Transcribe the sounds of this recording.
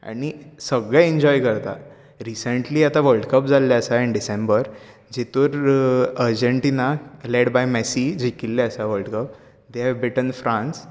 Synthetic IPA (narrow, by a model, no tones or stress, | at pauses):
a̰ɽ̃isəɡɭɛ̃iɲd͡ʑɔjkəɾt̪a̰ | ɾisəɳʈliːat̪aʋəlɖkəp̚d͡zalːjaəsaɛɳɖisẽmbəɾ | d͡ʑet̪uɾəɾd͡ʑəɳʈinaleɽbajmɛsid͡ʑikilːeəsaʋəlʈkəp̚ | d̪eɦɛʋbɾiʈənfɾãns